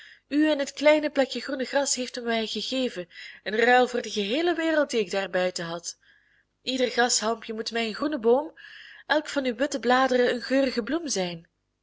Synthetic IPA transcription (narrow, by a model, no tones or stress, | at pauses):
yɛnɦətklɛjnəplɛkjəɣrunəɣrɑsɦejftymmɛjɣəɣeːvənənrœːlˠvʊːrdəɣəɦeːləʋeːrəlˠt̚diɪɡ̚daːrbœɥtəɦɑt | ʔidərɣɑsɦɑmpjəmutmɛjənxrunəboːmʔɛlˠkfɑnyʋɪtəblaːdərəənɣøːrəɣəblumzɛjn